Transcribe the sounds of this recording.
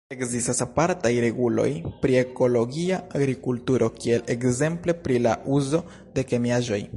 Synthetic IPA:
e̞kzistasapaɾtajɾe̞ɡulo̞̰jpɾie̞ko̞lo̞ɡiaaɡɾikultuɾo̞kie̞lʔe̞kze̞mple̞pɾilaʔuzo̞ | de̞ke̞miaʒo̞j

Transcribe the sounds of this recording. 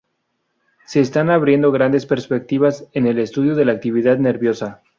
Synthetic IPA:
se̞ːst̪anaβɾje̞nd̪o̞ɣ̞ɾand̪e̞spe̞ɾspe̞k̚t̪iβase̞ne̞le̞st̪uðjo̞ðe̞laːk̚t̪iβ̞iðaðne̞ɾβjo̞sa

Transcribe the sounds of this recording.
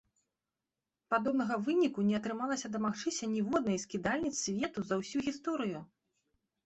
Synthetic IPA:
pad̪ɔbnɐɣɐvɨnʲikunʲɛɐt̪ɾɨmalˠɐsʲɐd̪ɐmaxt͡ʂɨsʲɐnʲivɔd̪nɐjskʲid̪alʲnʲit̪ssʲvʲɛt̪uzɐwsʲuɣʲist̪ɔɾɨju

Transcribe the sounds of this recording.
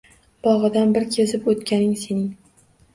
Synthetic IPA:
b̥ɒʁɨd̪anbɪɾkʲʰezɪpot̪kʲʰanɪŋse̞nɪŋ

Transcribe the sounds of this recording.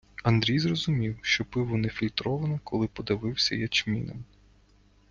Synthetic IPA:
ɐnd̪ɾʲijzrɔzʊmʲiwʃt͡ʃɔpɪʋʊnɛfʲilʲt̪ɾɔʋɐnɐkɔlˠɪpɔd̪ɐʋɪwsʲɐjɐt͡ʃmʲḭnɐ̰m

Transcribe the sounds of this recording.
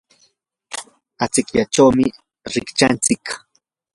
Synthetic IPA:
at͡sɪkʎat͡ʃawmɪ | ɾɪkt͡ʃant͡sɪk

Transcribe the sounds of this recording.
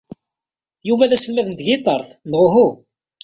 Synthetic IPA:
juvæðæsəlmæðənt̪ʝit̪ˤɑɾˤθnʁʊɦu

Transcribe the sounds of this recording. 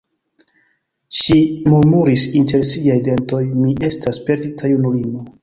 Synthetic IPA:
ʃimuɾmuɾisintʰe̞ɾsiajde̞nto̞jmiʔe̞staspe̞ɾditʰajunuimo

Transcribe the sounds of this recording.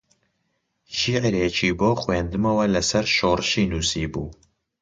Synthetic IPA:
ʃiʕɾeːt͡ʃʰiːboːxweːnd̪ɨmɐwɐlɐsɐɾʃoːɾɨʃiːnuːsiːbuː

